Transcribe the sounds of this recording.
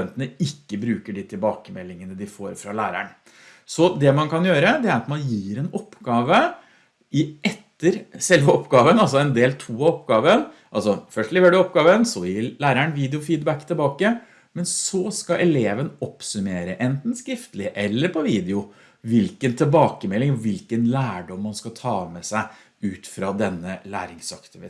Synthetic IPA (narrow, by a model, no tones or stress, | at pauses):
ɛnt̪ənəɪkːəbɾʉːkəɖɪt̪ʰɪlbɑːkəmɛlːɪŋənəd̪ɪfo̰ːɾfɾɑlæːɾæ̰ɳ | sɔd̪ɛmɑnkʰɑnjøːɾəd̪ɛæɾɑt̪mɑnjiːɾɛnɔpːɡɑːʋə | ɪʔɛt̪ːəɾsɛlʋəɔpːɡɑːʋənɑlsɔɛnd̪eːlt̪ʰuːɑɔpːɡɑːʋənʔɑlsɔfœʂʈlɪʋəɖʉɔpɡɑːʋənsɔjɪlæːɾæɳʋiːd̪ɛʊfiːd̪bækt̪ʰɪlbɑːkə | mɛnsɔskɑʔɛleːʋənɔpsʉmeːɾəʔɛnt̪n̩skɾɪft̪lɪʔɛlːəɾpʰɔʋiːd̪ɪʊ | ʋɪlkənt̪ʰɪlbɑːkəmɛlːɪŋɔʋɪlkənlæːɖɔmːɑnskɑt̪ʰɑːmɛsæɪ | ʉːt̪fɾɑd̪ɛnːəlæ̰ːɾɪŋsɑkt̪ɪʋɪ